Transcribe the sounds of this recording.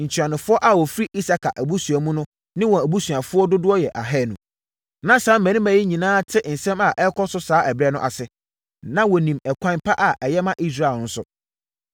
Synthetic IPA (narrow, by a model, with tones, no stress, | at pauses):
ɲ̩˨t͡ɕʰi˨ã˨nɪ̃˨fʊ˦ɔ˦ʔa˨wɔ˨fɾi˦ʔi˦sa˨kʰa˨ʔæ˨bu˦su˨æ˨mũ˦nʊ̃˦ | nɪ̃˦wɔ̃˨æ˨bu˦sɥa˨fʊ˦ɔ˦dʊ˦dʊ˦ɔ˦jɛ˨ʔa˨ɦɛː˦˨nṵ̃˨ | nã˦sãː˨˦mæ̃˨nĩ˦mæ̃˨˦ji˦ɲĩ˨nãː˦tʰɪ˦n̩˨sɛ̃˦ma˨ʔɛ˦kʰɔ˦sʊ˦saː˨˦ʔɛ˨bɾɛ˦nʊ̰̃˦ʔa̰˨sɪ˨ | nã˦wɔ˨nĩ˨mɛ˨kʷʰã˦npʰa˦ʔa˨ʔɛ˨jɛ˦mã˦ʔi˦s̬ɾaː˨lnʊ̃˦sʊ̰˦